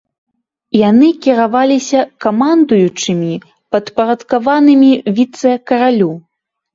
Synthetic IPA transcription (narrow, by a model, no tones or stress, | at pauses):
janɨkʲiɾavalʲisʲɐkamand̪ujut͡ʂɨmʲi | pɐt̪pɐɾɐt̪kavanɨmʲivʲit̪sɨjɐkɐɾalʲu